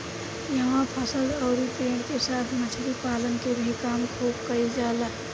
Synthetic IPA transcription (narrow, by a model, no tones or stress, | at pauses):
jəɦãpʰəsəlɔːɾipeːɖkesaːt̪ʰmət͡ʃʰɾipaːlənkebʱikaːmkʰuːbkəid͡ʒaːla